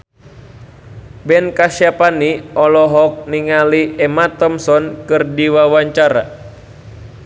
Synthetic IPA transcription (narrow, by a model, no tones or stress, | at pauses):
bɛnkasiapaniɔlɔɦɔk̚niŋaliɛmat̪ɔmsɔnkɨrdiwawaɲt͡ʃaɾa̰